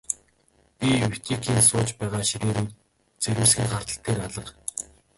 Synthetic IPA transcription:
pʲiuw̥ʲt̪ʰiːkʰiːnsʊːt͡ɕpæːʁaːʃiɾeːɾuːt̪ | t͡seɾɘ̆wsxʲiːŋχar̥t̪ə̆ɬt̪eːɾaɮə̆q

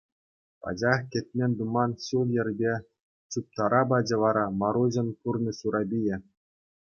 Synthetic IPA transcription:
pɑ̰d͡ʑɑχkʲĕt̪ʲmʲenʲd̪umɑnɕulˠjɘ̆rʲbʲe | t͡ɕup̚t̪ɑɾɑbɑd͡ʑɤ̆ʋɑɾɑmɑɾuʑɤ̆npurnʲɤsuɾɑbʲijɘ̆

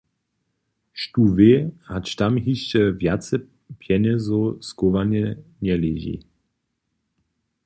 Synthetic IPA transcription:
ʃtuvehat͡ʃtamɦiʃt͡ʃɛvjat͡sə | pʰjɛnəzɔskovanɛnɛleʑḭ

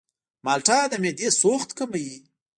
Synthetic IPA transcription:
mɑlʈɑd̪əmed̪esoxt̪kəmaji

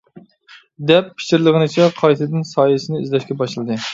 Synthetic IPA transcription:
d̪ɛpʰːɪ̥ʃiɾlˠəʁɨnɨt͡ʃʰɛqʰɑjt̪ʰɨd̪ɪnsɑːjɨsɨnɨḭzlɛʃkʲɛbɑʃɨlˠɨd̪ɨ

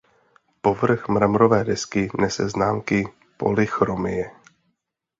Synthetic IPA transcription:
povr̩xmɾamɾovɛːdɛskɪnɛsɛznaːmkɪ | po̞̰lɪxɾomɪjɛ

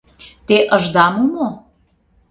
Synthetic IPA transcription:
t̪eʔəʒd̪ɑmumo

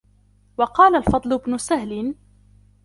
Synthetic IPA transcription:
wɑqɑːlalfɑd̪ˤlʊbnʊsahlɪ

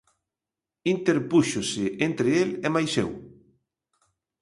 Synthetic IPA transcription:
int̪eɾpuʃʊsɪʔent̪ɾɪelɛmajsḛw

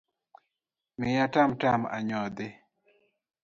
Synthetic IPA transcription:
mɪjatamtama̰ɲɔd̪ɪ

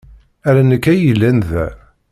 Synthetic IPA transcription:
æɾænəkːæjəlːænðæ̰

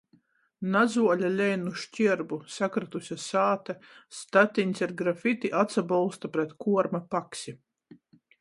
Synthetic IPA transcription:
nazuɔlʲalʲɛjnuʃcʲiɛɾbusakɾat̪usʲasaːt̪ɛst̪at̪ʲinʲsiɾɡɾafit̪iʔat̪sabɔlˠst̪apɾɛt̪kuɔɾmapaksʲi

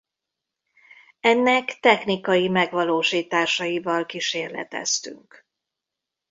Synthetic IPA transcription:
ɛnːɛkt̪ɛxnikɒjimɛɡʋɒloːʃiːt̪aːʃɒjivɒlkiʃeːrlɛ̰t̪ɛ̰st̪y̰ŋk

